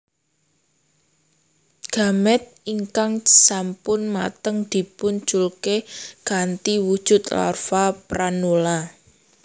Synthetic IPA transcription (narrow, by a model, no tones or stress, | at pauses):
ɡ̥a̤mɛt̪̚iŋkaŋsampʊnma̰t̪əŋd̪̥i̤puɲt͡ʃulkeɡ̥a̤nt̪iwud̥ʒ̥ʊ̤t̪la̰rfapɾanola